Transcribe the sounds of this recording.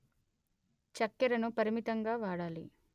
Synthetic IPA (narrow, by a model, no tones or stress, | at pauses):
t͡ʃɐkːɛɾɐnupɐɾimit̪ɐŋɡaːʋaːɽaːlḭ